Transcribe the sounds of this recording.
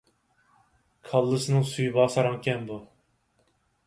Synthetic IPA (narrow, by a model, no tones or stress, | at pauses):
kʰɑlˠːɨsɨnɨŋsujbɑːsɑɾɑŋkʲɛnbu